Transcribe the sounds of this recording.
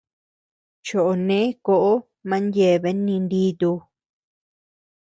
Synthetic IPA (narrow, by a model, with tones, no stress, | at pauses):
t͡ʃo˨ʔo˨nẽ˦ko˧ʔo˦ | mã˧˦nje˧˨βe˧˦nĩ˧nd̪i˦t̪u˧